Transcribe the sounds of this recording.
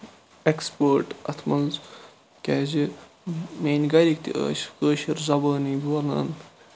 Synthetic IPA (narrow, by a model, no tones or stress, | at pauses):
ekspəːɾʈɐt̪ʰmɐlz | kʲɛːzi | meːnɡɐɾʲik̚t̪ḭʔə̰ːʃkəːʃiɾzɐbaːniːbɐlɐ̰ːn